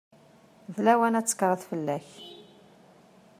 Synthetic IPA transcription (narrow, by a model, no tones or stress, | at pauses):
vlæwænæt͡sːə̥kːəɾˤəθfəlːæç